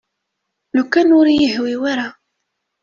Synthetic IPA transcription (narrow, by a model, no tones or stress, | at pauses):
lukːænʊɾjəɦwiwaɾa